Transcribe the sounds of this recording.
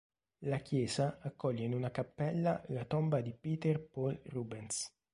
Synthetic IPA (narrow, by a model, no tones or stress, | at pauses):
lakjɛːzaːkːɔʎːeinunakapːɛlːa̰lat̪ɔmbad̪ipiːt̪ɛrpɔlruːbɛns